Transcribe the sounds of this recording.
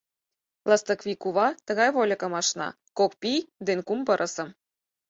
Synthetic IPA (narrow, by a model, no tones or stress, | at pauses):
lɑst̪ɤkβʲikuβɑt̪ə̆ɣɑjβolʲɤ̆kɤ̆mɑʃnɑ̰ | kokpijd̪enkumpɤ̆ɾʔɤ̆sɤ̆m